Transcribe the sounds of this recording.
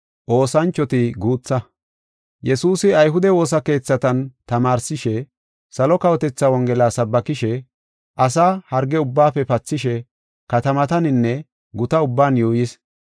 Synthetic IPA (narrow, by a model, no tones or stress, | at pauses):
ʔo̞ːsɐnt͡ʃːɔt̪ɪɡuːt͡sːɐ | jɛsuːsɪɐjɦʊd̪ɛwo̞ːs̬ɐke̞ːt͡sːɐt̪ɐnt̪ɐmaːɾsɪʃɛ | sɐlɔkɐwɔt̪ɛt͡sːɐwɔŋɡɛlaːsɐbːɐkɪʃɛ | ʔɐsaːhɐɾɡɛʊbːaːpɛpɐt͡sːɪʃɛ | kɐt̪ɐmɐt̪ɐnɪnːɛ | ɡʊt̪ɐʊbːaːnjoːjɪs